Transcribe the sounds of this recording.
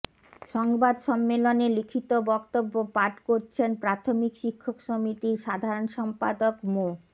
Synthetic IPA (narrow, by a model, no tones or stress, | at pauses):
ʃɔŋbad̪ʃɔmːelonelikʰit̪obɔkt̪obːopaʈkoɾt͡ɕʰenpɾat̪ʰomikʃikʰːokʃomit̪iʃad̪ʱaɾonʃɔmpa̰d̪okmo